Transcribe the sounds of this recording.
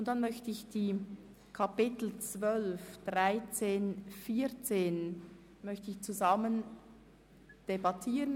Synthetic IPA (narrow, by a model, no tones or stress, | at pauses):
ʊnt̚d̥anmœçtəɪçd̥iː | kʰapɪtl̩t͡svœlfd̥ʁaɪt͡seːnfiːt͡seːn | mœçtəɪçt͡suzɑmən | d̥ebɑtʰiːʁən